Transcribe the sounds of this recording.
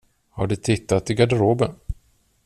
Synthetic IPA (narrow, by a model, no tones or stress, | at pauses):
haɖɵt̪ʰɪt̪ːat̪ɪɡadəɾoːbən